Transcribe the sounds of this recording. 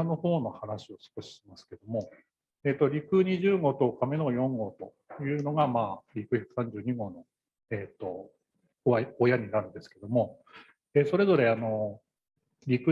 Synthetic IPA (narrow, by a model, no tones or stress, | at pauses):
no̞ho̞ːno̞hanaɕio̞sɨ̥ko̞ɕi̥ɕimasɨ̥ke̞d̪o̞mo̞ | eːt̪ːo̞ɾʲikɯ̟ɲ̟iʑɨːɡo̞ːt̪o̞kame̞no̞jõ̞ŋɡo̞ːt̪o̞ | jɯ̟ːno̞ɡamaːɾʲikɯ̟çakɯ̥sãɲ̟d͡ʑɨːɲ̟iɡo̞ːno̞ | eːt̪ːo̞ | aojaɲ̟inaɾɯ̟̃nd̪e̞sɨ̥ke̞d̪o̞mo̞ | eːso̞ɾe̞zo̞ɾe̞ano̞ | ɾʲikɯ